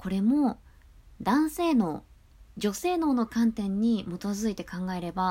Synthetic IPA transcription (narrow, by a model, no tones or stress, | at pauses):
ko̞ɾe̞mo̞ | d̪ãɰ̃se̞ːno̞ː | d͡ʑo̞se̞ːno̞ːno̞kãnt̪ẽ̞ɲ̟ːimo̞t̪o̞zɨit̪e̞kãŋɡae̞ɾe̞ba